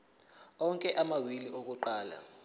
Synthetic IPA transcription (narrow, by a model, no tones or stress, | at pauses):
ɔŋkʼɛʔamawiliʔok̬uǃaːla̰